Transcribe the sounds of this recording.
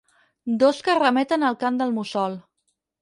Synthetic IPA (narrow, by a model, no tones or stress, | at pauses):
d̪oskərəmɛt̪ənəlˠkamd̪əlˠmusɔlˠ